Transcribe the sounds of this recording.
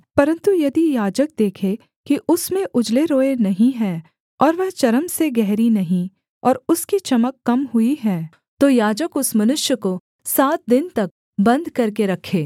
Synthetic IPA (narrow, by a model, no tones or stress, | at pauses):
pɐɾə̃nt̪ujɐd̪ijaːd͡ʒək̚d̪eːkʰe | kiʔʊsmẽʔʊd͡ʒleɾoːenɐɦĩɦɛ̃ː | ɔːɾʋɛɦt͡ʃɐɾəmseɡɛɦɾinɐɦĩ | ɔːɾʊskit͡ʃɐməkːɐmɦuiɦɛ̃ː | t̪ojaːd͡ʒəkʊsmɐnʊʃjəko | saːt̪̚d̪ɪnt̪ɐk̚ | bɐ̃nd̪kɐɾkeɾɐkʰeː